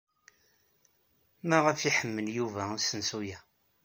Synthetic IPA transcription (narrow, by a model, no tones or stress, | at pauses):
mæʁəfiħəmːənjuvæsənsujæ